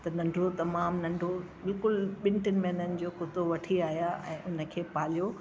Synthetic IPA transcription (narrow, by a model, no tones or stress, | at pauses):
t̪ɐnɐ̃ɳɖʱot̪ɐmaːmnɐ̃ɳɖʱo | bɪlkʊlɓɪ̃ɳʈənɪ̆mẽnənɪ̆d͡ʑoːkʊt̪oʋɐʈʰiaːɦijaʔɛ̃ːʔʊnə̆kʰeːpaːl̤ijo